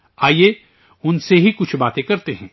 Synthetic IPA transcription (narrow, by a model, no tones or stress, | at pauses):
aːje | ʊnseɦikʊt͡ʃʰbaːt̪ẽkɐɾt̪eɦɛ̃ː